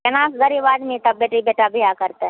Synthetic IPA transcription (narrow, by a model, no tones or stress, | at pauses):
ɛnãːsɡəɾiʋaːd̪mẽt̪ɐbbeːʈibeːʈabʱiakɐɾt̪e